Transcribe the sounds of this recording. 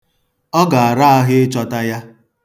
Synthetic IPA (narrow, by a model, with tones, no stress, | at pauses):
ɔ˦ɡa˨a˨ɾa˦a˦ɦɪ˦ɪ˦t͡ʃɔ˦ta˦ja˦